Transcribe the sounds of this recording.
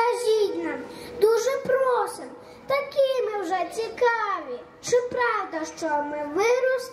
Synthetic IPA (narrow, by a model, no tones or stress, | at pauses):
ɐʒʲinʲːɐd̪uʒɛpɾɔsɪm | t̪ɐkʲimɪwʒɛt͡sʲikɑʋʲi | t͡ʃɪpɾɑwd̪ɐʃt͡ʃɔmɪʋɪɾʊs